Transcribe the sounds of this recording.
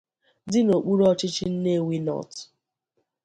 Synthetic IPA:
dɪ˦no˨k͡pu˦ɾɔ˦t͡ʃɪ˦t͡ʃɪ˦n̩˦ne˦˨wi˦nɔ̰˨t

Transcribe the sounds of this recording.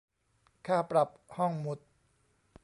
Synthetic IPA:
kʰaː˥˩pɾa˨˩p̚hɔ˥˩ŋmu˦˥t̪̚

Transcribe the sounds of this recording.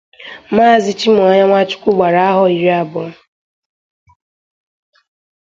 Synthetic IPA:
maː˦˨zɪ˨t͡ʃi˦mʊ˨ɔ˨ɲa˦ŋʷa˦t͡ʃʊ̥˦kʷʊ˦ɡ͡ba˨ɾa˨a˦ɦɔ˨i˨ɾi˦a˦bʊ˨˦

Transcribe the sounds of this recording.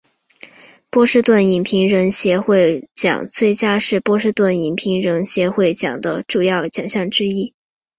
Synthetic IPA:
pwɔ˥ʂɻ̩˥˧t̪wə˥˩ni˨˩npʰi˧˥ŋɻə˧˥nɕjɛ˧˥xwe˥˩ɪt͡ɕjɑ̰˨˩˦ŋt͡swe˥˩ɪt͡ɕja˥ʂɻ̩˥˧pwɔ˥ʂɻ̩˥˧t̪wə˥˩ni˨˩npʰi˧˥ŋɻə˧˥nɕjɛ˧˥xwe˥˩ɪt͡ɕjɑ̰˨˩ŋd̪ə˦ʈ͡ʂu˥˩jɑ˥˩ʊt͡ɕjɑ̰˨˩ŋɕjɑ˥˩ŋʈ͡ʂɻ̩˥i˥˩

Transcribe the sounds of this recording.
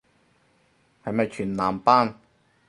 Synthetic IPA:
hɐ˨jmɐ˨jt͡ʃʰyː˨˩nlaː˨˩mpaː˥n

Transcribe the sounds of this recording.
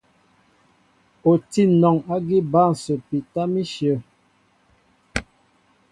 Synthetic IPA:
o˨ti˦nɔ˨ŋa˦ɡi˦ba˦˨n˨sə˨pi˨ta˦mi˦ʃjə˨

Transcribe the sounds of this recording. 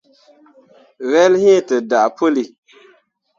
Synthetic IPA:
vɛ˦lhi˦˨tə˨da˨ʔpo˦li˨

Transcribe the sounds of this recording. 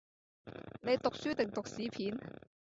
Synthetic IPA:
ne˨˧jt̪ʊ˨k̚syː˥t̪ɪ˨ŋt̪ʊ˨k̚siː˨˥pʰiː˨˥n

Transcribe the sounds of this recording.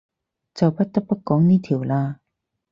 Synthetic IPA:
t͡sa˨˩wpʰa˦˥t̪ːa˦˥pːa˦˥kːɔː˨˥ŋniː˧˥˨t̪ʰi˨˩˦wlaː˧

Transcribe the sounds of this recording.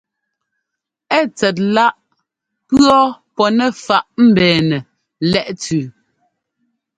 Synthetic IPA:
ɛ˦˨t͡sɛ˨t̬̚la˦ʔ | pɰɰɔ˦pɔ˨nɛ˦˨fa˨ʔm̩˦˨bɛː˨nɛ˨ | lɛ˦ʔt͡sʉ˨

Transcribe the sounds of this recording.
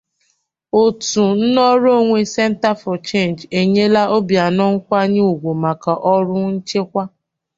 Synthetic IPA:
o˨tu˨n̩˦nɔ˦ɾo˦˨ŋʷe˦sɛ˦n̩˦ta˦fɔ˨t͡ʃe˦˨nd͡ʒe˨ɲe˦la˦ʔo˦bja˨nɔ˦ŋ̩˦kʷa˦ɲɪ˦u˨ɡʷo˨ma˨ka˨ʔɔ˦ɾʊ˦n̩˦t͡ʃe˦kʷa˦

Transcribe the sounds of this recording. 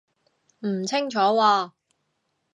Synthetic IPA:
m̩˨˩t͡sʰɪ˥ŋt͡ʃʰɔː˨˥waː˧

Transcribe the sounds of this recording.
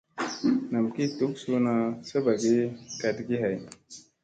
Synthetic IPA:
na˨mki˦t̪u˦ksu˦na˧sə˦ba˨ɡi˦ka˨t̪ɡi˦ɦa˨j

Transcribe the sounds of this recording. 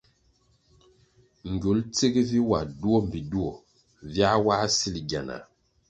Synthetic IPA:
ŋ̩˨ɡo˨˦lt͡se˦ɡe˦vi˦wa˨du˦ɔ˦m̩˨bi˨du˦ɔ˨ | vja˦wa˦si˦li˨ɡa˨na̰˨

